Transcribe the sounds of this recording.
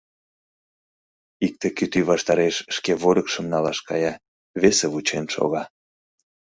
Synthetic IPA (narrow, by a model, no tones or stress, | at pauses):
ik̚t̪ekyt̪yβɑʃt̪ɑɾeʃʃkeβoɾəkʃəmnɑlɑʃkɑjɑ | βeseβut͡ɕenʃo̰ɣɑ